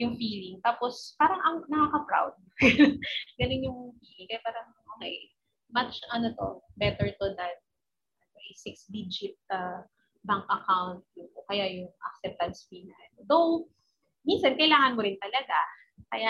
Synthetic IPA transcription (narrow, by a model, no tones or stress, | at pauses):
jʊŋfiːlɪŋt̪aːpospaːɾɐŋʔɐŋnɐkaːkɐpɾa̰wd̪̚ɡ | ɡɐnɪnjʊŋfiːlɪŋkɐjapaːɾɐŋʔoŋa̰j | mɐt͡ʃʔɐnot̪o̰bɛt̪ɛɹt̪ʊd̪ɐn̚ | ʔɐnoʔɛsɪksd̪id͡ʒɪt̪̚ɐ | baŋkɐkawnt̪̚jʊŋʔokɐjajʊŋʔɐ̰k̚sɛp̚t̪ɐnsfinɐʔɐlod̪ow | minsɐnkɐjlaːŋɐnmʊɾɪnt̪ɐlɐɡa | kɐja